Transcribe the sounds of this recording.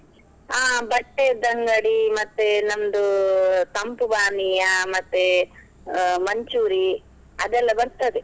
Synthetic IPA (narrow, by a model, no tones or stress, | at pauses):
aːbɐʈːed̪ɐŋɡɐɽimɐt̪ːenɐmd̪ut̪ɐmpubaːnijɐmɐt̪ːe | mɐɲt͡ʃuːɾi | ɐd̪ɛlːɐbɐɾt̪ɐd̪e